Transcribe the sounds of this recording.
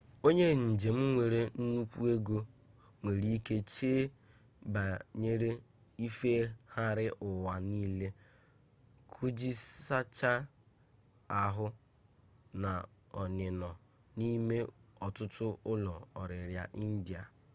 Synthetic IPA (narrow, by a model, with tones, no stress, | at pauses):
o˦ɲe˦n̩˨d͡ʒe˨m̩˦ŋʷe˨ɾe˦n̩˦nu˦kʷu˦e˦ɡo˦ | ŋʷe˨ɾi˦ke˦t͡ʃeː˦ | ba˨ɲe˦ɾe˦ | i˦fe˦ha˦ɾɪ˦ʔʊ˨wa˨niː˦le˦ | kʰu˦d͡ʒi˦sa˦t͡ʃa˦ | a˨ɦʊ˦ | na˨ | ɔ˨nɪ˨nɔ˨ | ni˦me˦ɔ˨tʊ˦tʊ˦ʊ˦lɔ˨ɔ˨ɾɪ˨ɾja̰˨ʔi˦n̩˦di˨a˨